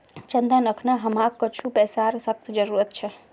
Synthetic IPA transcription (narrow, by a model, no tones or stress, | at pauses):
t͡ʃənd̪anəkʰnaɦəmakːət͡ʃʰupɛsaɾsək̚t̪ʰd͡ʒəɾuɾət̪̚t͡ʃʰe